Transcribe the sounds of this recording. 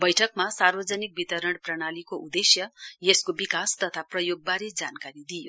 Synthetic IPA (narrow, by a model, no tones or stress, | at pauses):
bʌjʈʰʌkmasarbʌd͡zʌnik̚bit̪ʌɾʌɽprʌɽ̃alikoʔud̪esjʌjeskobikast̪ʌt̪ʰaprʌjoɡ̚baɾed͡zankaɾid̪ijo